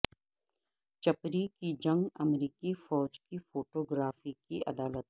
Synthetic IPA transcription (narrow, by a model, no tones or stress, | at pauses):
t͡ʃɐpɾikid͡ʒɐ̃ŋɡɐmɾiːkifɔːd͡ʒkifoːʈoːɡɾaːfikiʔɐ̰d̪aːlət̪̚